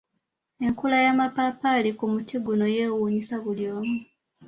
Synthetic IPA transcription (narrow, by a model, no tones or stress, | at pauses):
e̞ŋkulajamapapalikumutiɡuno̞jeːwuɲisaβuljo̞ːmu